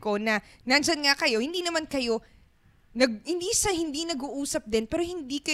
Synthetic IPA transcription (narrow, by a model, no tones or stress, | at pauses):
ko̞nɐnɐnd͡ʒɐnŋakɐjo̞hɪnd̪iːnɐmankɐjo̞ | nɐɡ̚hɪnd̪isɐhɪnd̪inɐɡuʔuːsɐp̚d̪ɛnpɛːɾohɪnd̪ikɐ